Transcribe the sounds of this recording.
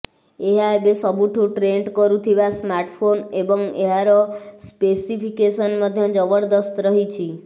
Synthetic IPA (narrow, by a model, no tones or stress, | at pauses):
eɦaebesɔbuʈʰuʈɾeɳɖkɔɾut̪ʰiʋasmaɾʈpʰonebɔŋeɦaɾɔspesipʰikesənməd̪ʱjɔd͡ʒɔbəɽd̪ɔst̪ɾəɦit͡ʃʰi